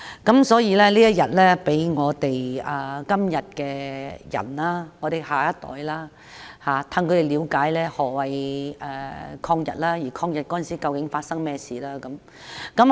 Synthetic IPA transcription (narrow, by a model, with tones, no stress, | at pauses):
kɐ˨˥msɔː˨˥jiː˨˧lɛː˥liː˥jɐ˥t̚jɐ˨t̚lɛː˥pe˨˥jŋɔː˨˧t̪e˨jɐː˨kɐ˥mjɐ˨t̚kɛː˧jɐ̰˨˩nlaː˥ŋɔ˨˧t̪e˨˩haː˨˩jɐ˥t̚t̪ɔ̰ː˨˥jlaː˥ | haː˨t̪ʰɐ˧ŋkʰɵ˨˧ɾe˨˩jliː˨˧wkaː˨˥jlɛː˥hɔː˨˩wɐ˨jɛː˨kʰɔː˧ŋjɐ̰˨t̚laː˥jiː˨˩kʰɔː˧ŋjɐ˨˩t̚kɔː˨˥˨nsiː˥kɐ˧wkɪ˨˥ŋfaː˧t̚sɐ˥ŋmɛː˥siː˨laː˥kɐ˨˦m | kɐ˨˥m